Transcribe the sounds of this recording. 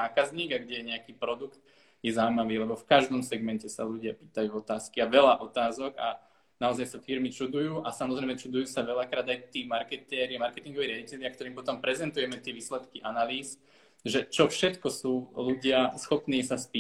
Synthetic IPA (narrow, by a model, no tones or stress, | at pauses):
aːkazɲiːɡaɡɟɛjɛɲɛakiːpɾɔd̪ukt̪ | jɛzaʊimaʋiːlɛbɔfkaʒd̪ɔmsɛɡmɛncɛsaluɟɪapiːt̪ajuːɔt̪aːskiaʋɛlaʔɔt̪aːzɔɡa̰ | naɔzajsafiɾmit͡ʃud̪ujuːʔasamɔzɾɛjmɛt͡ʃud̪ujuːsaʋɛlakɾaːd̪ajt̪iːmaɾkɛt̪ɛɾiamaɾkɛt̪iŋɡɔʋiːɾɪaɟicɛlɪakt̪ɔɾiːmpɔt̪ɔmpɾɛzɛnt̪ujɛmɛt̪ɪɛʋiːslɛt̪kiʔanaliːz | ʒɛt͡ʃɔfʃɛt̪kɔsuːluɟɪasxɔpniːsaspi